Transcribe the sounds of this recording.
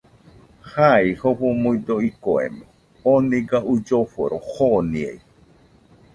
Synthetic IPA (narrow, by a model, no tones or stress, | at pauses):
haihoɸomuid̪oikoḛme | oniɡaʔud͡ʒoɸo̰ɾohoniḛi